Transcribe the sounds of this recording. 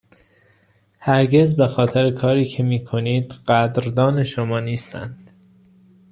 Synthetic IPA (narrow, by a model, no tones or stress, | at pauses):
hæɾɟe̞zbexɒːt̪ʰeɾekʰɒːɾiːcʰe̞miːkʰo̞niːd̪ɢæd̪ɾd̪ɒːne̞ʃomɒːniːst̪æ̰nd̪̥